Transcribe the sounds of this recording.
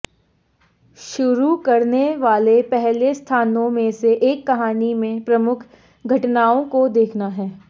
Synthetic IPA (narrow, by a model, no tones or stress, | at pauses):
ʃʊɾukɐɾneʋaːlepɛɦlest̪ʰaːnõmẽseʔeːkːɐɦaːnimẽpɾɐmʊkʰ | ɡʱɐʈnaːõkod̪eːkʰnaɦɛː